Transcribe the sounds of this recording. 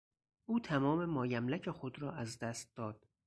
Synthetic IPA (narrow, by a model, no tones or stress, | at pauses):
ʔuːt̪ʰæmɒːme̞mɒːjæmlæcʰexod̪ɾɒːʔæzd̪æːst̪̚d̪ɒːd̪̥